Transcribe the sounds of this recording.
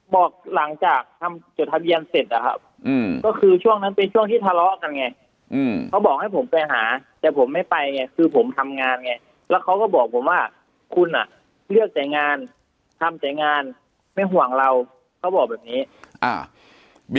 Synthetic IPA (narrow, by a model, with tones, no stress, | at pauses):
bɔː˨˩k̚la˩˦ŋt͡ɕaː˨˩k̚t̪ʰa˧mt͡ɕo˨˩t̪̚ʰa˧bi˧ənse˨˩t̪̚ʔa˨˩kʰa̰˦˥p̚ | ʔɯː˧kɔː˥˩kʰɯː˧t͡ɕʰu˥˩əŋna˦˥npe˧nt͡ɕʰu˥˩əŋt̪ʰiː˥˩t̪ʰa˧lɔ˦˥ʔka˧nŋa˧j | ʔɯː˧˩kʰa˦˥wbɔː˨˩k̚ha˥˩jpʰo˩˦mpa˧ɦaː˩˦t̪ɛː˨˩pʰo˩˦mːa˥˩jpa˧jŋa˧jkʰɯː˧pʰo˩˦mt̪ʰa˧mŋaː˧nŋa˧˩j | lɛː˦˥wkʰa˦˥wkɔː˥˩bɔː˨˩k̚pʰo˩˦mwaː˥˩ | kʰu˧nʔa̰˨˩ | lɯ˥˩ək̚t͡ɕa˨˩jŋaː˧n | t̪ʰa˧mt͡ɕa˨˩jŋaː˧n | ma˥˩jɦu˨˩əŋɾa˧w | kʰa˦˥wbɔː˨˩k̚bɛː˨˩p̚niː˦˥ʔa̰ː˧˩